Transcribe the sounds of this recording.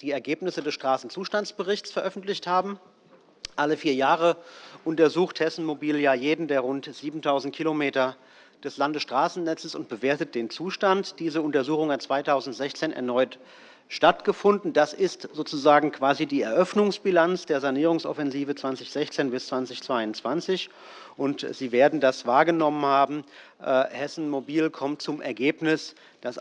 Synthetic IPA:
d̥iːɛɐɡeːpnɪsədɛsʃtʁ̥aːsn̩t͡suːʃtant͡sb̥əʁɪçt͡sfɛɐʔœfn̩tlɪçthaːbm̩ | ʔaləfiːɐjaːʁəʔʊntɐzuːxthɛsn̩mobiːljaːjeːdn̩deːɐʁʊntz̥iːbm̩tʰaʊzn̩t̚kʰilomeːtɐ | d̥ɛslandəsʃtʁ̥aːsn̩nɛt͡səsʊ̰nt̚b̥əveːɐtət̚d̥eːnt͡suːʃtantd̥iːzəʊntɐzuːxʊŋat͡sv̥aɪtʰaʊzn̩tz̥ɛçt͡seːnɛ̰ɐnɔʏt | ʃtatɡ̥əfʊndn̩d̥asɪstzoːt͡suzaːɡŋ̩kʰv̥aːzidiːɛɐʔœfnʊŋsb̥ilant͡sd̥eːɐzaniːʁ̞ʊŋsɔ̰fɛnziːvət͡sv̥ant͡sɪçz̥ɛçt͡seːnbɪst͡sv̥ant͡sɪçt͡sv̥aɪʊntt͡sv̥ant͡sɪç | ʔʊntz̥iːveːɐdn̩dasv̥aːɐɡənɔmənhaːbm̩ | ʔhɛsn̩mobiːlkʰɔmtt͡sʊmɛɐɡeːpnɪs | d̥as

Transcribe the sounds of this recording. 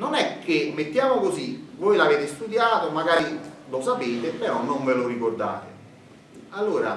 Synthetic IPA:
nonɛkʰːemːet̪ːjaːmokozivoːjlaveːt̪ɪst̪ud̪jaːt̪omaɡaːɾilosapeːt̪epːeɾɔnoɱvelorikord̪a̰ːt̪ɪ | alːoːɾa

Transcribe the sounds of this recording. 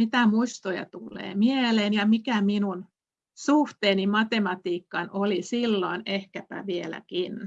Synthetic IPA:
mit̪æmuist̪ojɑ̰t̪ulːˑḛːmieleːnjɑmikæminun | suht̪eːnimɑt̪emɑt̪iːkːɑnolisilːoinehkæpæ̰ʋielæ̰kin

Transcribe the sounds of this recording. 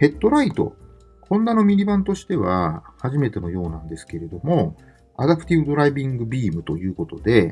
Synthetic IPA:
he̞t̪ːo̞ɾait̪o̞̰ | kʰõ̞nːano̞mʲiɾʲibãnt̪o̞ɕi̥t̪e̞βahaʑime̞t̪e̞no̞jo̞ːnãnd̪e̞sɨ̥ke̞ɾe̞d̪o̞mo̞ | a̰d̪apɯ̥t̪ʲibɯd̪o̞ɾaibʲĩŋɡɯ̟bʲiːmɯ̟t̪o̞jɯ̟ːko̞t̪o̞d̪e̞

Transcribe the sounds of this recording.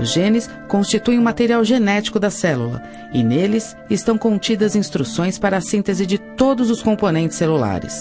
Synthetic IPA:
ʊʒẽnɪs | kõst͡ʃit̪uẽũmat̪eɾiawʒenɛt͡ʃi̥kʊd̪ɐsɛlulɐ̰ | ɪnelɪs | ɪst̪ɐ̃w̃kõnt͡ʃid̪ɐzĩst̪ɾusõj̃spaɾɐːsĩt̪ezɪd͡ʒɪt̪od̪ʊzʊskõmponẽnt͡ʃɪ̥selula̰ɾɪ̰s

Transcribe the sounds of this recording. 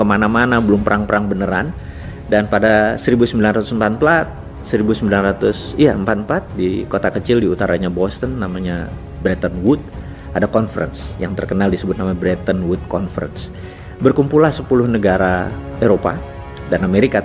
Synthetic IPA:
kəmanamanabəlʊmpəɾʔaŋpəɾaŋbənəɾa̰n | danpadasəɾibusəmbilanrat̪usəmpat̪̚pəlat̪̚ | səɾibusəmbilanrat̪ʊsijaəmpat̪̚mpat̪̚dikot̪akət͡ʃɪldiut̪aɾʔaɲabɔst̪ənːamaɲa | bɾɛt̪ənwʊt̪̚ | ʔadakɔnfəɾə̰nsjaŋt̪ərkənaldisəbʊt̪̚namabɾɛt̪ənwʊt̪̚kɔnfəɾə̰ns | bərkumpulahsəpulʊhnəɡaɾaeɾopa̰ | danameɾika

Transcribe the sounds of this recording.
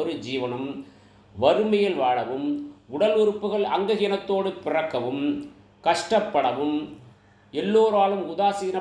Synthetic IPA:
ɔɾɯd͡ʒiːʋɐnɯm | ʋɐɾɯmɐjɐlʋaːɽɐʋɯmʊɽɐlʊɾɯpːɯɣɐɭɐŋɡɐɣɪjɐnɐt̪ːoːɽɯpɪrɐkːɐʋɯm | kɐʂʈɐpːɐɽɐʋɯm | ɛlːoːɾaːlɯmʊðaːsiːnɐ

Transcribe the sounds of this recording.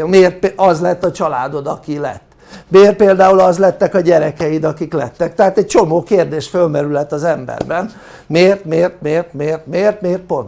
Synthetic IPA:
meːrt̪̚peɒzlɛt̪ːɒt͡ʃɒlaːd̪o̞d̪ɒkilɛ̰t̪ːmeːrt̪̚peːld̪aːulɒzlɛt̪ːɛkɒɟɛɾɛkɛjid̪ɒkiklɛt̪ːɛkt̪ɛɦaːt̪ɛc̚t͡ʃo̞moːkeːrd̪eːʃt̪følmɛɾylɛt̪ːɒzɛmbɛ̰rbɛn | meːrt̪meːrt̪̚meːrt̪meːrt̪meːrt̪meːrt̪̚po̞nt̪

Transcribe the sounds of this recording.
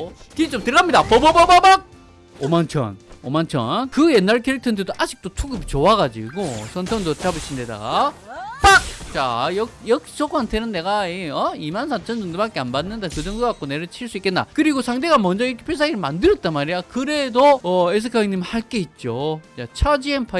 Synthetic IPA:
kit͡ɕ͈omtɯɾɡamɲidapʌbʌbʌbʌbak̚ | omant͡ɕʰʌ̰nomant͡ɕʰʌ̰nkɯje̞nːaɭkʰeɾik̚tʰʌndʰɯdoʔad͡ʑik̚t͈otʰuɡɯpit͡ɕoaɡad͡ʑḭɡosʰʌntʰʌŋdot͡ɕabɯɕʰindeda̰ɡa̰pak̚t͡ɕajʌjʌk̚sʰoɡantʰenɯnːe̞ɡaeʌimansʰat͡ɕʰʌnd͡ʑʌŋdebak͈eanbanːɯndakɯd͡ʑʌŋdoɡak͈one̞ɾɯɭt͡ɕʰiɭs͈uik͈enːa̰kɯɾiɡosʰaŋde̞ɡamʌnd͡ʑʌiɾkʰepʰesʰaŋiɾɯɭmandɯɾjʌt̚t͈anmaɾijakɯɾe̞doʌes̬ʰɯkʰaiŋɲimhaɭk͈e̞it̚t͡ɕ͈ot͡ɕat͡ɕʰad͡ʑienpʰa

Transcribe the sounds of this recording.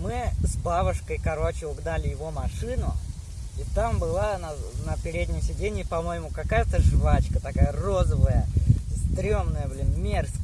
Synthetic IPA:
mɨzbabʊʂkəjkɐɾo̞t͡ɕɪʊɡd̪alʲɪjɪvo̞mɐʂɨnʊ | it̪ambɨlˠanɐnəpʲɪɾʲed̪ʲnʲɪjsʲɪdʲenʲɪjɪpɐmo̞jɪmʊkɐkajət̪əʐvat͡ɕkət̪ɐkajəro̞zəvəjəzd̪ɾʲo̞mnəjəblʲɪnmʲers

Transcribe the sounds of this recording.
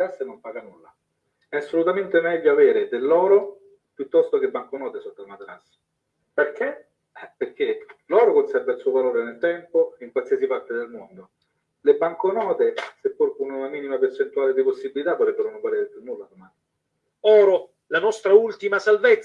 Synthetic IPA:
asenompaːɡanulːa | ɛasːolut̪ament̪emɛʎːoaveːɾed̪elːɔːɾo | pjut̪ːɔst̪okebːaŋkonɔːt̪esot̪ːamat̪ɾas | perk̟e | perk̟ʰelɔːɾokonsɛrvailsuːovaloːɾenelt̪ɛmpoiŋkwalsiasipart̪ed̪elmond̪o | lebaŋkonɔːt̪esepːuɾkununamiːnimapert͡ʃent̪uaːled̪iposːibilit̪avːot̪ɾɛbːeɾonopaɾeːɾepjunːulːad̪omaːni | ɔːɾo | lanɔst̪ɾault̪imasalvet̪s

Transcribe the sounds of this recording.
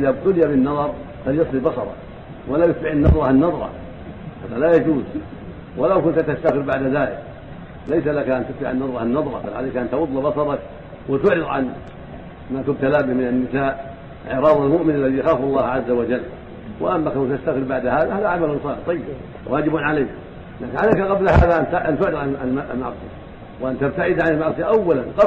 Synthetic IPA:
ʔɪðabt̪ʊlɪjabɪnːɑðˤɑɾˤ | faljɑsˤlibɑsɑɾˤɑ̰ | walaːjʊt̪bɪʕɪnːɑðˤɾˤɑhanːɑðˤɾˤɑ̰ | haːðalaːjad͡ʒuːz | walawkʊnt̪at̪ast̪aɣɪɾbaʕd̪aðaːlɪk | lajsalakaʔant̪ʊt̪ba̰ʕanːɑðˤɾɑhanːɑðˤɾˤɑ̰balʕalajkaʔant̪wʊðˤːɑbɑsɑɾˤɑk | wɪt̪ʊʕɾɨðˤʕa̰n | maːt̪ʊb̚t̪alaːbɪhmɪnanːɪsaːʔ | ʕɪɾɑːðˤɑlmʊʔmɪnalːaðijaxaːfalˤːɑːhʕazːawad͡ʒalː | wa̰ʔamːakaawt̪ast̪aɣɪɾbaʕd̪haːðahaːðaʕamalʊnsˤɑːɾt̪ˤɑjːɪb | waːd͡ʒɪbʊnʕalajk | laːkɪnʕalajkaqɑblhaːðaʔant̪ʔant̪ʊʕɾɨðˤʕaaʔlmɑ̰ʕsˤɨ̰ja̰ | wʔant̪ab̚t̪aʕɪd̪ʕanɪlmaʕsˤɨjaʔawːalanq

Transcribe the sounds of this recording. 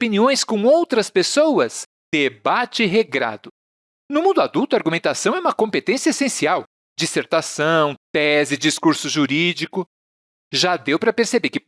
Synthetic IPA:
piniõj̃skõw̃owt̪ɾɐspesowɐs | d̪̥ebat͡ʃɪɦeɡɾa̰d̪ʊ | nʊmũnd̪ʊad̪uwt̪ʊaɾɡumẽnt̪asɐ̃w̃ɛũmɐkõmpet̪ẽsiɐesẽsiaw | d͡ʒiseɾt̪asɐ̃w̃t̪ɛzɪd͡ʒiskuɾsʊʒuɾid͡ʒikʊ | ʒad̪ewpɾɐpeɾsebekɪ

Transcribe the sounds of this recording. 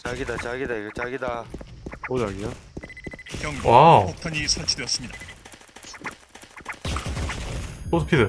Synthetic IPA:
t͡ɕaɡidat͡ɕaɡidaiɡet͡ɕaɡida | mod͡ʑaɡio | kjʌŋaok̚tʰaɲisʰaɭt͡ɕʰidejʌs͈ɯmɲida | otʰokʰede

